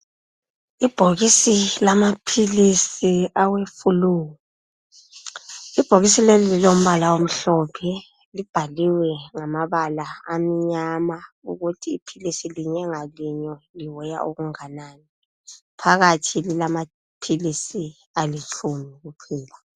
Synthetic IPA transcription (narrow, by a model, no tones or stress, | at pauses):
ib̥ʱoɣisilamapʰilisiawefuluːɣu | ib̥ʱoɣisilelililom̩βalawom̩ɬɔpʰɛ | lib̥ʱaliwɛŋamaβalaamiɲama | ṵɣutʰiːpʰilisiliɲɛŋaliɲɔliwɛja̰ʔoɣuŋanaːni | pʰaɣatʰililama | pʰilisi | alit͡ʃʰʼumiɣupʰiːla